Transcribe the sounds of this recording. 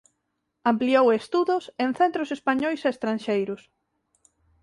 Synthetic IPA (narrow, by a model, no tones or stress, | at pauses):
ampliowest̪uðʊsenθent̪ɾʊsespaɲɔjseːst̪ɾanʃejɾʊs